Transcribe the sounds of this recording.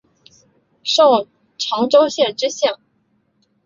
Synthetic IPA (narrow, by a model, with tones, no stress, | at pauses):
ʂo˥˩ʊ | ʈ͡ʂʰɑ˧˥ŋʈ͡ʂo˥ʊɕjɛ˥˩ʈ͡ʂɻ̩˥ɕjɑ˥˩ŋ